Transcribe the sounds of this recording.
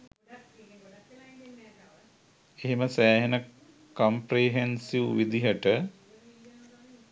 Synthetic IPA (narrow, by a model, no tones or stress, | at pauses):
eɦeməsæːɦenə | kompreɦensiʋʋid̪iɦəʈə